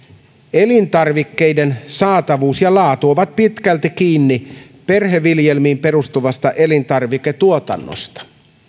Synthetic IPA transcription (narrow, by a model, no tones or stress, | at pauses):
elint̪ɑrʋikːe̞jde̞nsɑːt̪ɑʋuːsjɑlɑːt̪uoʋɑt̪̚pit̪kælt̪ik̟iːnːi | pe̞rɦeʋːiljelmiːmpe̞rust̪uʋɑst̪ɑʔe̞lint̪ɑrʋiket̪uot̪ɑ̰nːo̰st̪ɑ̥